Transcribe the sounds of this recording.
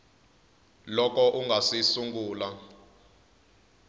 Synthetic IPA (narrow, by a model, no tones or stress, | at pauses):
lɔk̬ɔʔuŋɡʱasisuŋɡuːla